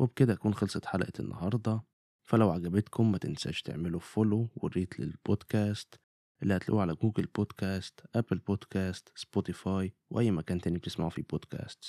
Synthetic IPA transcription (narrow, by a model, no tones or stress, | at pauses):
wʔebked̪æʔækuːnxɑlsˤɑħalæʔæḛnːʔɑ̰hɑɾˤd̪ˤɑ | fælæwʕaɡæbet̪kʰomːæt̪ensæ̰ʃt̪ḛʕmelofolowerːiːt̪lḛlbod̪kæːst̪ | ʔelːihæt̪lʔuːʕalæɡuːɡelboːd̪kæːst̪ʔæplboːd̪kæːst̪sbot̪ifɑːjweʔæjːmækæːnt̪ʔenːib̚t̪esmaʕufiboːd̪kæ̰ːst̪s